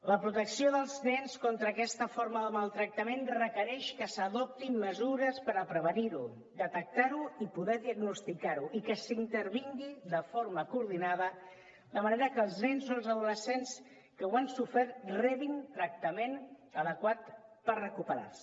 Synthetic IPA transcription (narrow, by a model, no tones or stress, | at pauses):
ləpɾut̪əksioðəlˠznɛnskont̪ɾəːkɛst̪əfoɾməðəmalˠt̪ɾək̚t̪əmenrəkəɾɛʃkəsəðɔp̚t̪imməzuɾəspəɾəpɾəβ̞əniɾu | d̪ət̪ək̚t̪aɾuipuðɛðiəɡnust̪ikaɾuʔikəsint̪əɾβiŋɡid̪əfoɾməkuɾðinað̞ə | d̪əməneɾəkəlˠznɛnzolˠzəðuləsens | kəwansufɛrt̪rɛβint̪ɾək̚t̪əmenəðəkwat̪pərrəkupəɾa̰rs